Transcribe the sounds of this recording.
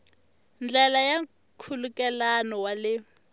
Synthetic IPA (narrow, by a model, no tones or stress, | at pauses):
nd͡ɮɛlaja | kʰulukʼɛlanɔwalɪ